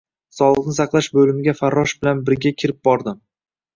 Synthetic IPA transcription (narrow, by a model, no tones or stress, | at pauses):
sɒlˠɨqnɪsɑqlˠaʃbɵlɪmɪɡʲafaɾːɒʃbɪlanbɪɾɡʲakʲʰɪɾɪp̚bɒɾd̪ɪm